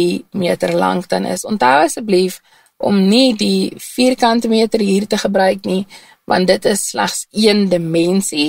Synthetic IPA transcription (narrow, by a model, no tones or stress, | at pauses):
imiətərlɐ̰ŋkdɐnə̰sɔntɦɐwɐsət̚blif | ʔɔ̰mnidifiːrkɐntəmiətərɦiːrtəχəbɾœɥkni | vɐ̰ntdətəsːlæ̰χsiəndəmɛnsi